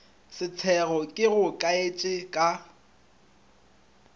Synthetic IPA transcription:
sɪt͡sʰɛɣɔkʼɪɣʊkʼaet͡ʃʼɪkʼa

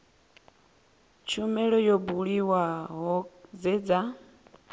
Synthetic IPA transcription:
t͡ʃʰumɛɺɔjɔbuɺiwaɦɔzɛd͡za

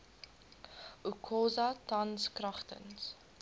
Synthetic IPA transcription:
ʔukʰɔːzɐtɐnskrɐχtə̰ns

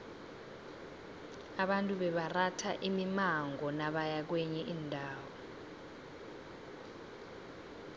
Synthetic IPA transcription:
aɓantʼuɓɛɓaratʰaʔimimaŋɡʱɔnaɓajak̬wɛɲɛʔiːndʱaːwɔ

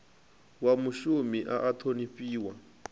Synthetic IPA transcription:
wamuʃumiʔa̰ʔatʰonifiːwa

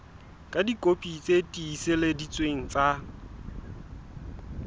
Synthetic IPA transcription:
kʼadikʼopʼit͡sʼetʼiːsɪledit͡sʼweŋ̩t͡sʼa

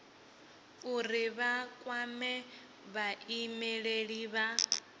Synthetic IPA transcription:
uɾiβakʼwamɛ | βaimɛɺeɺiβa

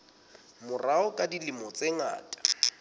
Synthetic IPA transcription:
mʊraʊkʼadilɪmɔt͡sʼeŋa̰ːtʼḁ

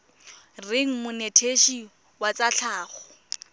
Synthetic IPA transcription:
rɪŋ̩mʊnetʰeʃi | wat͡saɬʰaːχɔ

